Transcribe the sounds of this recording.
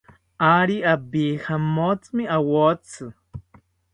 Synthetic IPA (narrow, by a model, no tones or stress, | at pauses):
aɾiabihamot͡smiawot͡sʰɨ